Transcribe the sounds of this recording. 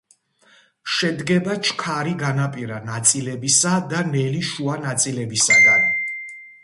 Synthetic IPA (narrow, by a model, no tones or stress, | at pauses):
ʃɛd̪ɡɛbat͡ʃʰkʰaɾiɡanapʼiɾanat̪sʼilɛbisad̪anɛliʃuanat̪sʼilɛbisad̪an